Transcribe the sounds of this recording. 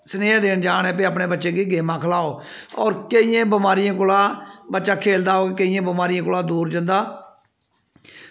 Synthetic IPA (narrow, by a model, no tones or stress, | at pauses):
səneːd̪eːnd͡ʒaːnɛ̃ːpeːəpɳeːbətːʃeːɡiːɡeːmãːkʰəlaːoːɔːɾkeijãːbəmaːɾijãːk̬ʊlaːbətːʃaːkʰeːld̪aːoːkːkəijãːbəmaːɾijãːkʊlaːd̪uːɾd͡ʒə̃nd̪aː